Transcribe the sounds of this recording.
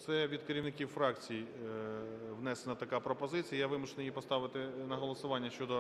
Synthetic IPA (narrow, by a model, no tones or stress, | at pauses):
t̪sɛʋʲid̪̚kɐɾʲiwnɪkʲiwfɾɑkt͡sʲiji | ʋnɛsenɐt̪ɐkapɾɔpɔzɪt͡sʲijɐjaʋɪmʊʃenɪjipɔst̪ɑʋɪt̪ɪnɐɦɔlˠɔsʊʋɑnʲːɐʃt͡ʃɔd̪ɔ